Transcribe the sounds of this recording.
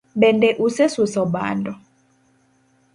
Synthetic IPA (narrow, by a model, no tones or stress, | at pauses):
ɓɛndɛʔusɛsusɔɓa̰ːndɔ